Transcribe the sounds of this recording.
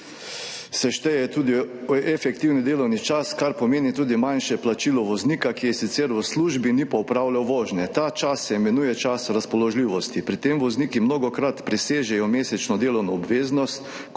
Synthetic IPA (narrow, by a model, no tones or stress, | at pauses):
sɛʃt̪ɛjɛɛt̪uːd̪iɛfɛkt̪iwnid̪eːlɔwnit͡ʃaskaɾpɔmeːnit̪uːd̪imanʃɛplat͡ʃiːlɔʋɔzniːkakijɛsit̪sɛɾʋəsluːʒbinipɔɔpɾawlʲawʋɔːʒnɛt̪at͡ʃasːɛimɛnuːjɛt͡ʃasɾaspɔlɔʒliːʋɔst̪ipɾit̪emʋɔzniːkimnoːɡɔkɾat̪pɾiseːʒɛjɔmeːsɛt͡ʃnɔd̪eːlɔwnɔːbʋeːznɔst̪